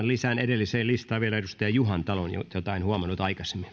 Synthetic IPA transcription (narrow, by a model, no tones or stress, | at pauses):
llisænedelːiseːlist̪ɑːʋielæerust̪ɑɑjuhɑnt̪ɑlonjo̰t̪jot̪ɑinhuɑmɑnːut̪ɑikɑse̥mːi